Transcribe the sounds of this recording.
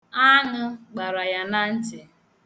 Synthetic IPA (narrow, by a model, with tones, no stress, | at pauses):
a˦ŋʊ˦ɡ͡ba˨ɾa˨ja˨na˦n̩˦t͡ʃɪ˨